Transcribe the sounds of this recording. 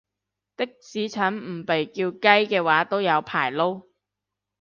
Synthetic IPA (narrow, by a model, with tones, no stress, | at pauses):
t̪ɪ˥k̚t͡siː˨˥t͡sʰɐ˨˥nm̩˨˩pe˨jkiː˧wkɐ˥jkɛː˧waː˨˥t̪o˥wjɐ˨˧wpʰaː˨˩jlo˥w